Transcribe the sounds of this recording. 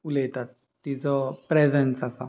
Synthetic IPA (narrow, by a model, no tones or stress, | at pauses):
ulet̪at̪̚ːit͡sɔpɾed͡zensasa̰